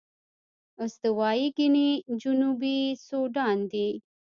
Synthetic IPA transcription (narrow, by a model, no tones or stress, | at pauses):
ʊsd̪əwɑiɡinid͡ʒʊnubisoɖɑnd̪i